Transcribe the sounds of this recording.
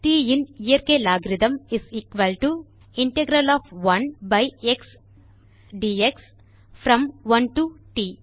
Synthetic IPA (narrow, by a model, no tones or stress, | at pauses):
ʈiːiniɐɾkeːlaːɡɾid̪ɐ̃miziːkʋɐlʈu | iɳʈeɡɾɐlɔːfʋɐ̃nbɐjeks | ɖiːeks | fʰɾɐ̃mʋɐ̃nʈuʈiː